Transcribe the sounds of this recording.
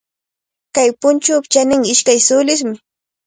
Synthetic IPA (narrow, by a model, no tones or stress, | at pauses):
kajpʊnt͡ʃʊːpt͡ʃanɪŋɪʃkajsʊlɪs̬mɪ